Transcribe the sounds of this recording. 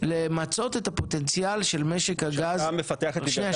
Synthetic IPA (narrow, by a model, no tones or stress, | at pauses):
lemat͡so̞t̪et̪apo̞t̪ent͡sijalʃe̞lme̞ʃekhaɡazmefat̪eaχʃneja